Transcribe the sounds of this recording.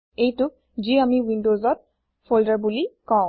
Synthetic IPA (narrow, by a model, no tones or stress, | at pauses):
ejtʊk̚ | ziamiwindozɔt̚ | fʰoldaɹbulikɔ̃ʊ̃